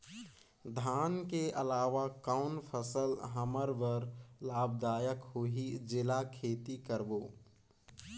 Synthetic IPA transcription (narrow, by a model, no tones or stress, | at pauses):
d̪ʱaːnkeʔəlaːʋakaʊnpʰəsəlɦəməɾʋəɾlaːb̚d̪aːjəkɦoɦid͡ʒɪlakʰeːt̪ikəɾboː